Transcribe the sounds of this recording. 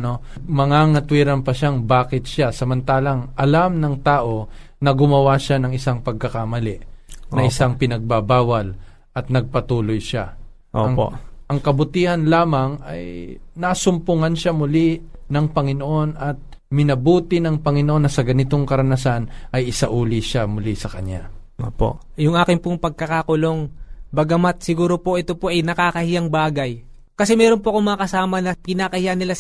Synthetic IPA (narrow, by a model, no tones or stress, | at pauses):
no | mɐŋaŋɐt̪wiɾɐnpɐʃaŋbaːkɪt̪̚ʃasɐmɐnt̪aːlɐŋʔɐlamnɐŋt̪aːʔo̞ | nɐɡʊmɐwaʃanɐŋɪsaŋpɐɡ̚kɐkamɐlɪʔnɐʔɪsaŋpɪnɐɡ̚babaːwɐl | ʔɐt̪̚nɐɡ̚pɐt̪uːlojʃa | ʔo̰ŋo̰ʔɐŋkɐbʊt̪iːhɐnlaːmɐŋɐ̰jnasʊmpʊŋanʃamʊli | nɐŋpɐŋɪnoʔo̞nɐt̪̚ | mɪnɐbuːt̪ɪnɐŋpɐŋɪnoʔo̞nːɐsɐɡɐnɪt̪o̞ŋkɐɾɐnɐsanʔɐjʔɪsaʔuːliʃamʊlisɐkɐɲa̰ | o̰ːpo̰ʔ | jʊŋʔaːkɪŋpoŋpɐɡ̚kɐkakʊlo̞ŋbɐɡɐmat̪̚sɪɡuːɾo̞po̞ʔɛt̪o̞po̞ʔɐjnɐkaːkɐhɪjaŋbaːɡɐj | kɐsɛmɛːɾo̞npoɐko̞ŋmɐŋakɐsaːmɐnɐkɪnaːkɐhɪjanɪla